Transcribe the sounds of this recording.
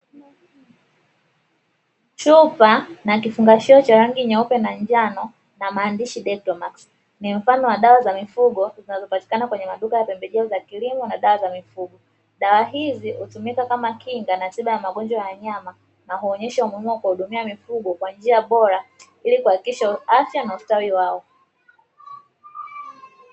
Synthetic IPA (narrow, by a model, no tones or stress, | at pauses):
t͡ʃupanak̬ifuŋɡaʃɛɔt͡ʃaɾaŋɡiɲaupɛnaɲd͡ʒanɔ | namaːndiʃiɗɛtɔmaks | nim̩fanɔwaɗawazamifuɡɔzinazɔpati̥kanakwɛɲɛmaɗukajapɛmbɛʄɛɔzakilimɔnaɗawazamifuɡɔ | ɗawaɦizihutumikakamakʰiŋɡanatiɓajamaɠɔnd͡ʒwajaaɲama | naɦuɔɲɛʃaumuimuɔakwahuɗumiamifuɡɔkwand͡ʒiaɓɔɾa | ilikuhakikiʃaafjanaustawiwaɔ